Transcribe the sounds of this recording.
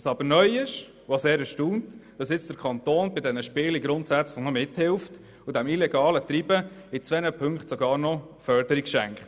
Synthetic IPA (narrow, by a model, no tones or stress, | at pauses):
sɑbəɾnœʏɪʃ | voseːɾɛʃtuːntd̥ɑsjɪt͡sd̥əɾkʰɑnt̪oːnbɪdɛnəʃpɪːliɡɾʊntsæt͡sləχnɔmɪthɪlft | ʊdɛmilɛɡɑːlət̪ɾibəɪt͡sʋɛnəpʰɵŋkχtsɔɡɑːɾnɔ | fœɾdəɾikʃæŋkχt